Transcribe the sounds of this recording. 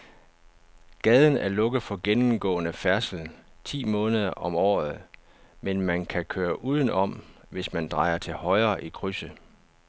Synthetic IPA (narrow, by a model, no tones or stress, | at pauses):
ɡ̥ɛːð̞ˠn̩æɐlɔ̽ɡ̥əð̩ˠfɒ̽ɡ̥enm̩ɡ̥ɔ̰̽ːnəfæɐsl̩t͡sʰḭːmɔ̽ːnəð̞ˠɐʔɒ̽mɒ̰ːð̩ˠ | menmænkʰækʰøːɐʔuːð̞ˠən̩ʔɒ̽m | ʋe̝smænd̥ʁɑ̈ɪ̰ɐt͡sʰe̝lhɒ̽ɪɐːʔikʰʁysə